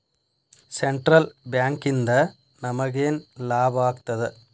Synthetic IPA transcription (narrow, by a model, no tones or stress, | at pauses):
sɛɳʈɾɐlbjaːŋkɪnd̪ɐ | nɐmɐɣeːnlaːbaːkt̪ːɐðɯ